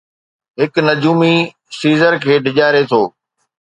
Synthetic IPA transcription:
ɦɪknɐd͡ʑuːmi | siːzəɾkʰeːɖʱɪʄaːɪɾet̪ʰoː

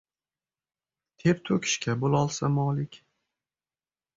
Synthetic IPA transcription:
t̪ʰeɾt̪ʰɵkʲʰɪ̥ʃkʲabolˠɒlˠsamɒlɪkʲ

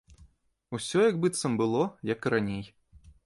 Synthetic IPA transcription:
usʲɔjɐɡbɨt̪sɐmbɨlˠɔjɐkɾanʲej

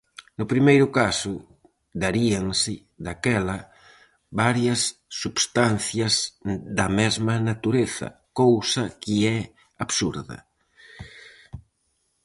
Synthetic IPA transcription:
nʊpɾimejɾʊkasʊ | d̪aɾiaŋsɪ | ðakɛlɐ | βaɾjɐsːuβst̪anθjɐzd̪ɐmɛzmɐnat̪uɾeθɐ̰kowsɐkɪɛ | aβsuɾðɐ̰

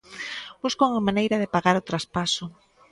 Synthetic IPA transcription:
buskowŋamanejɾɐðɪpaɣaɾʊt̪ɾaspasʊ

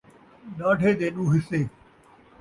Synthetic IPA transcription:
ɗaːɖʱeːd̪eːɗũːɦɪseː

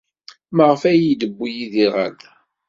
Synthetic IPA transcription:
məʁəfæjid̪əbːujiðiʁæ̰n

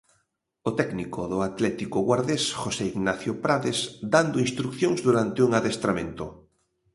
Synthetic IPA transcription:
ot̪ɛknikoðʊat̪lɛt̪ikʊɣwaɾðesxoseiɣnaθjopɾaðesd̪and̪oinst̪ɾukθjoŋzðuɾant̪ɪuŋaðest̪ɾamẽnt̪ʊ

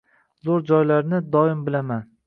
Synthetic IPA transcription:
zoɾd͡ʒɒjlaɾnɪd̪ɒɪmbɪlaman

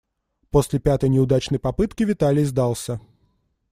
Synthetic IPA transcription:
posʲlʲɪpʲat̪əjnʲɪʊd̪at͡ɕnəjpɐpɨt̪kʲɪvʲɪt̪alʲɪjzd̪alˠsʲə

